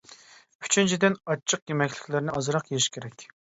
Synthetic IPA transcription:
y̥t͡ʃʰynt͡ʃʰid̪ɪnɑt͡ʃʰːəqjemɛkʲlɪ̥kʲlɪɾnɪɑzɨɾɑqjeɾɪʃkʲʰeɾɛkʲ

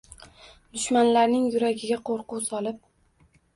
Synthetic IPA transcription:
d̪̥ʊʃmanlaɾnɪŋjʊɾaɡʲɪɡʲaqʰoɾqʊwsɒlˠɪp̚

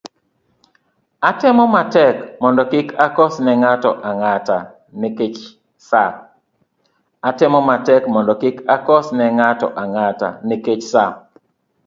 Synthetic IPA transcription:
atɪmɔmatɛkmɔndɔkɪkʰakɔsnɛŋatɔʔaŋata | nɪket͡ʃ | sa | atɪmɔmatɛkmɔndɔkɪkakɔsnɛŋatɔ̰ʔaŋata̰nɪket͡ʃsa

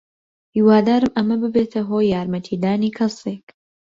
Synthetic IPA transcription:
hiwaːd̪aːɾɨmɐmɐbɨbeːt̪ʰɐɦoːjːaːɾmɐt̪ʰiːd̪aːniːkʰɐsek

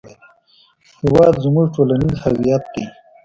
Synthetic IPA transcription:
hɪwaːd̪zumuʐʈoːlɐnizhɐwijɐt̪̚d̪i

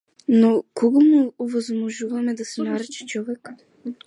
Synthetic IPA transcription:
nokɔɡomuːvɔzmɔʒuvamɛd̪asɛnaɾɛt͡ʃɛ̥t͡ʃɔvɛk

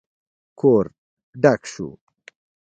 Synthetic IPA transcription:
kʰoːɾ | ɖakʂṵ

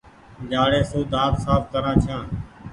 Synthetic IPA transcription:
d͡ʒaːɽeːsoːd̪ʱãːt̪saːfkəɾãːt͡ʃʰãː

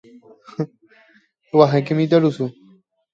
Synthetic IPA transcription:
waɦãkemĩt̪aɾusu

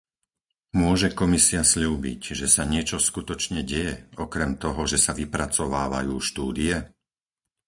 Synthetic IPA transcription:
mʊɔʒɛkɔmisiasʎuːbḭcʒɛsaɲɪɛt͡ʃɔskut̪ɔt͡ʃɲɛɟɛjɛɔkɾɛmt̪ɔɦɔʒɛsaʋipɾat͡sɔʋaːʋa̰juːʃt̪uːd̪iɛ

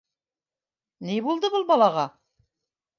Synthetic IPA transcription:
nibulˠd̪ɤbɤlˠbɑlˠɑʁɑ

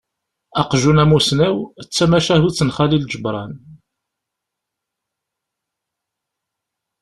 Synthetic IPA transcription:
ɑqʒunæmusnæwət͡sːæmæʃæhut͡sːənχælild͡ʒəbɾˤɑn

